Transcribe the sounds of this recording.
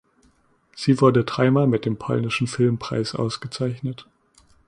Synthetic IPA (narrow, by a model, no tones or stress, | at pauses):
z̥iːvʊɐdədʁ̥aɪmamɪt̚d̥eːmpʰɔ̰lnɪʃn̩fɪlmpʁ̥a̰ɪsʔa̰ʊsɡ̥ət͡saɪçnət